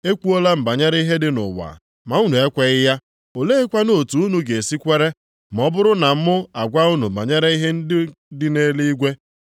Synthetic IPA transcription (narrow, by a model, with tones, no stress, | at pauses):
e˦kʷu˦o˦la˦m̩˨ba˨ɲa˦ɾa˦i˦ɦe˦dɪ˦nʊ̰˨wa̰˨ | ma˨u˦nu˨e˦kʷe˨ɣɪ˦ja˦ | o˨le˦e˦kʷa˦no˨tu˨u˦nu˨ɡe˨si˦kʷe˦ɾe˦ | m˨ɔ˦bʊ˦ɾʊ˦na˨m̩˦mʊ˦a˨ɡʷa˦u˦nu˨a˨ɲa˦ɾa˦i˦ɦe˦n̩˦dɪ˦ne˦li˦i˦ɡʷe˦